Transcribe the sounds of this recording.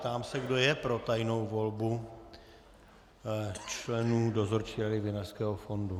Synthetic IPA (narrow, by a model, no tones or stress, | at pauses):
t̪aːmsɛɡdo̞jɛpɾo̞t̪ajno̞wvo̞lbu | t͡ʃlɛnuːdo̞zo̞ɾt͡ʃiːɾadɪvɪnarskɛːɦofo̞ndu